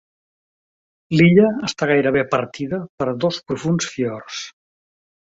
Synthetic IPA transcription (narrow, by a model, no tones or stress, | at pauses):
liʎəːst̪aɣajɾəβepəɾt̪iðəpəɾðospɾufunsfiɔrs